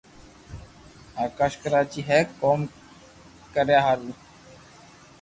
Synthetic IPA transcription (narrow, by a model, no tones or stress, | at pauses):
aːkaːʃkəɾaːt͡ʃiːɦɛːkoːm | kəɾjaːɦaɾuː